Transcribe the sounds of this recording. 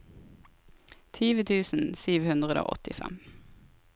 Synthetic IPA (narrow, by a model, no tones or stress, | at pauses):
t̪ʰyːʋət̪ʰʉːsn̩syːʋhʉnd̪ʁəd̪o̰ːʔɔt̪ɪfɛ̰m